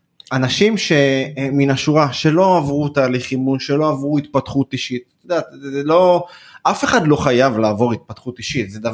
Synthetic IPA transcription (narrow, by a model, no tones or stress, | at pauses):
anaʃimʃe̞minaʃuʁaʃe̞lo̞avʁut̪aːliχimunʃe̞lo̞avʁuit̪̚pat̪χut̪iʃit̪od̪aːt̪zelo̞afeχadlo̞χajavlaːvo̞ʁit̪̚pat̪χut̪iʃit̪zed̪a